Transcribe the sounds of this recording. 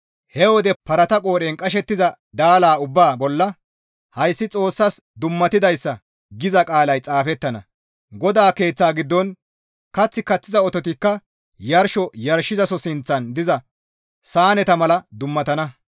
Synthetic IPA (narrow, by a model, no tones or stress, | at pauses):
hɛwɔd̪ɛpɐɾɐt̪ɐkʼo̞ːɾeːnkʼɐʃ̬ɛt̪ːɪzɐ | d̪aːlaːʊbːaːbɔlːɐ | hɐjsːɪt͡sʼo̞ːsːɐsd̪ʊmːɐt̪ɪd̪ɐjsːɐ | ɡɪzɐkʼaːlɐjt͡sʼaːfɛt̪ːɐnɐ̰ | ɡɔd̪aːke̞ːt͡sːaːɡɪd̪ːɔn | kɐt͡sːɪkɐt͡sːɪzɐɔt̪ɔt̪ɪkːɐ | jɐɾʃɔjɐɾʃɪzɐsɔsɪnt͡sːɐnd̪ɪzɐ | saːnɛt̪ɐmɐlɐd̪ʊmːɐt̪ɐnɐ